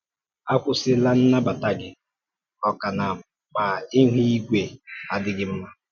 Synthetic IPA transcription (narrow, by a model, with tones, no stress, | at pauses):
a˦kʷʊ˦sɪ˦la˦n̩˦na˦ba˨ta˦ɡɪ˨ | ɔ˨ka˨na˨ | k͡pa˨i˦ɦʷi˦i˦ɡʷe˨a˨dɪ˦ɡɪ˦m̩˦ma˦